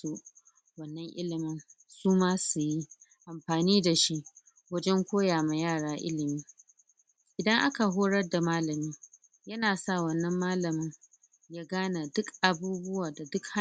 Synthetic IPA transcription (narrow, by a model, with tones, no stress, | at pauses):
u˦ | wɐ˦nːɐ˦ŋʔɪ̰˦lɪ˨mɪ˦n | suː˦maː˦su˨ji˦ | ʔa˨mɸaː˨niː˦da˨ʃi˦ʔ | wɐ˦d͡ʒɛ˦ŋkʷoː˦jaː˨ma˨jaː˦˨ɽaː˦ʔɪ̰˦lɪ˨miː˦ | ʔɪ˨dɐ˦ŋʔa˦ka˨ɦoː˦ɽɐ˦rda˨maː˦lɐ˨miː˦ | jɐ˦naː˨sa˦˨wɐ˦nːɐ˦mːaː˦lɐ˨mɪ˦ŋ | jaː˦ɡaː˦na˨dʊ˦kʔa˨buː˦bʊ˦waː˨da˨dʊ˦kha˦